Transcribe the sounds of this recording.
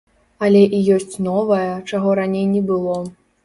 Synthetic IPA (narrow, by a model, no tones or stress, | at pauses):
ɐlʲɛʔijɔsʲt͡sʲnɔvɐjɐt͡ʂaɣɔɾanʲejnʲɛbɨlˠɔ